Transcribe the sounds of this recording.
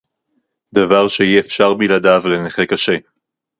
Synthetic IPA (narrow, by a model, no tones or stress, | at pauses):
d̪avaʁʃeiefʃaʁmiladavleneχekaʃe